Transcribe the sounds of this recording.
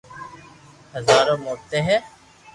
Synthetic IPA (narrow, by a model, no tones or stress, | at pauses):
həzaːɾõːmoːt̪eːɦɛː